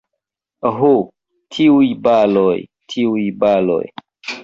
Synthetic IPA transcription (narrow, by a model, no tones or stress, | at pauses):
ɦo | tʰiujbaloj | tʰiujbalo̰j